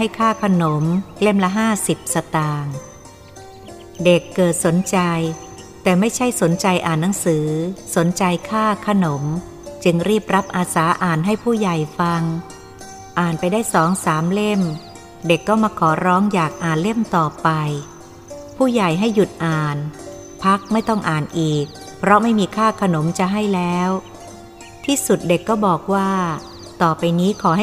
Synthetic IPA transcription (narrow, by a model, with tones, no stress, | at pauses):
ha˥˩jkʰaː˥˩kʰa˧no˩˦mle˥˩mla˦˥ɦaː˥˩si˨˩p̚sa˧t̪aː˧ŋ | de˨˩kːɤː˨˩t̪̚so˩˦nt͡ɕa˧j | t̪ɛː˨˩ma˥˩jt͡ɕʰa˥˩jso˨˩˦nt͡ɕa˧jʔaː˨˩nːa˩˦ŋsɯː˩˦so˩˦nt͡ɕa˧jkʰaː˥˩kʰa˧no˩˦m | t͡ɕɯ˧ŋɾiː˥˩p̚ɾa˦˥p̚ʔaː˧saː˩˦ʔaː˨˩nɦa˥˩jpʰuː˥˩ja˨˩jfa˧ŋ | ʔaː˨˩npa˧jdaː˥˩jsɔː˩˦ŋsaː˩˦mle˥˩m | de˨˩kːɔː˥˩maː˧kʰɔː˩˦ɾɔː˦˥ŋjaː˨˩k̚ʔaː˨˩nle˥˩mt̪ɔː˨˩pa˧j | pʰuː˥˩ja˨˩jɦa˥˩jːu˨˩t̪̚ʔaː˨˩n | pʰa˦˥k̚ma˥˩jt̪ɔ˥˩ŋʔaː˨˩nʔiː˨˩k̚pʰɾɔ˦˥ma˥˩jmiː˧kʰaː˥˩kʰa˧no˨˩˦mt͡ɕa˨˩ɦa˥˩jlɛː˦˥w | t̪ʰiː˥˩su˨˩t̪̚de˨˩kːɔː˥˩bɔː˨˩k̚waː˥˩ | t̪ɔː˨˩pa˧jniː˦˥kʰɔː˩˦ɦ